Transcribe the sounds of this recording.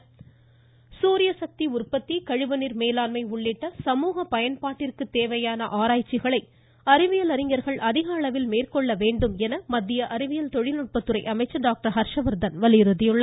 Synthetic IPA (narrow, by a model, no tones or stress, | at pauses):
suːɾɪjɐsɐk̚t̪iʊrpɐt̪ːikɐɻɪʋɐnɪɾmeːlaːlmɐɪʊɭːɪʈːɐsɐmuːɣɐpɐjɐnpaːʈːɪrkɯt̪ːeːʋɐjaːnɐʔaːɾaːjt͡ʃːɪɣɐɭɐɪ | ɐɾɪʋɪjɐlɐɾɪŋɡɐɾɣɐɭʔɐðɪɣaːɭɐʋɪlmeːrkɔɭːɐʋeːɳɖɯmɛnɐmɐd̪ːɪjɐʔɐɾɪʋɪjɐlt̪ɔɻɪlnʊʈ̚pɐt̪ːɯɾɐɪʔɐmɐɪt͡ʃːɐɖaːk̚ʈɐɾɦɐɾʂɐʋɐɾd̪ɐnʋɐlɪjɾɯðɪjɯɭːɐ